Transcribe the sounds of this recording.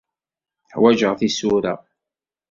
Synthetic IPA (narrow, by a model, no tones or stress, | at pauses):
ħwæʒəʁθisuɾa̰